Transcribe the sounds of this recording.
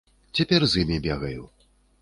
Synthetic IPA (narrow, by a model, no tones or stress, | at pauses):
t͡sʲapʲɛrzimʲibʲɛɣɐju